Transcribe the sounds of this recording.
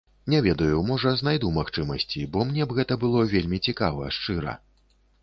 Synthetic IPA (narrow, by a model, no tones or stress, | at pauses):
nʲɛvʲɛd̪ɐjumɔʐɐznajd̪umaxt͡ʂɨmɐsʲt͡sʲibɔmnʲɛbɣɛt̪ɐbɨlˠɔvʲelʲmʲit͡sʲikavɐ̰ɛʂt͡ʂɨɾɐ̰